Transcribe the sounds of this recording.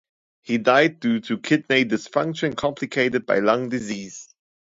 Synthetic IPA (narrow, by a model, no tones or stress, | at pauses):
hidaɪd̚dutʰukʰɪd̚neɪdɪsfãŋkʃə̃nkʰɔ̃mpʰlɪkʰeɪtəd̚ba̰ɪlɔ̃ŋdɪziːz̥